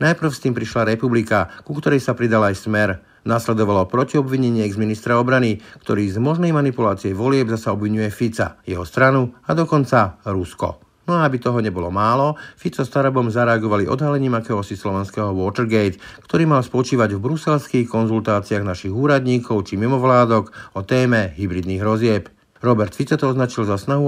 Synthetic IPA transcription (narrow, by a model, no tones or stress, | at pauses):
najpr̩ʊst̪iːmpɾiʃlaɾɛpublikakukt̪ɔɾɛjsapɾid̪alaːjsmɛɾ | naslɛd̪ɔʋalɔpɾɔciɔbʋiɲɛɲɪiɛɡzminist̪ɾaɔbɾanikt̪ɔɾiːzmɔʒnɛjmanipulaːt͡siɛʋɔlɪɛbzasaɔbʋiɲujɛfit͡sa̰jɛɦɔst̪ɾanuad̪ɔkɔnt͡saɾuskɔ̰ | nɔaabit̪ɔɦɔɲɛbɔlɔmaːlɔfit͡sɔst̪aɾabɔmzaɾɛaɡɔʋaliʔɔ̰d̪ɦalɛɲiːmakɛːɦɔsislɔʋɛnskɛɦɔʋʊɔːt̪ɛɾɡɛjt̪kt̪ɔɾiːmalspɔt͡ʃiːʋaɟvbɾusɛlskixkɔnzult̪aːt͡siaɣnaʃiɣuːɾad̪ɲiːkʰɔʊt͡ʃimimɔʋlaːd̪ɔkɔt̪ɛːmɛɦibɾid̪niːɣɦɾɔzɪɛp | ɾɔbɛɾt̪fit͡sat̪ɔɔznat͡ʃilzasnaɦu